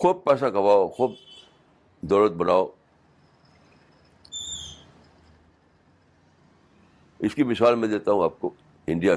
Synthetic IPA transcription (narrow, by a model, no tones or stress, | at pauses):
xuːb̚pɛːsakɐʋaːoxuːb̚ | d̪ɔːlət̪̚bɐnaːoː | ɪskimɪsaːlmẽd̪eːt̪aɦũaːp̚ko | ɪ̃ɳɖija